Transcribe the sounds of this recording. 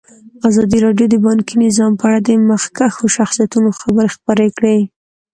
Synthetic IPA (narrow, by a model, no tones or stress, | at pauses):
azɑd̪iɾɑɖjod̪əbɑŋkinɪzɑmpəaɽad̪əmaxkaxoʃaxsijat̪unoxabəɾexpəɾekɽe